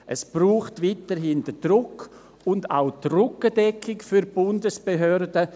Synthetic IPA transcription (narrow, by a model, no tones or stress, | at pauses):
ʔɛsb̥ruːχtʋiːtəɾɦɪndəd̥rʊk | ʊnda̰ʊtrʊkədɛkʰːɪkfyɾb̥ʊndəsb̥eɦœɾdə